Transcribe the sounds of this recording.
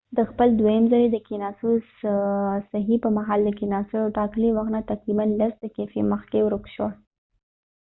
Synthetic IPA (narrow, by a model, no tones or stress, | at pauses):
d̪əxpəld̪wajəmzaɾed̪əkinɑsu | saɦipəmaɦɑld̪əkinɑsoawʈɑkliwaxnat̪aqɾibanlasd̪əkefeməxkewɾokʃwa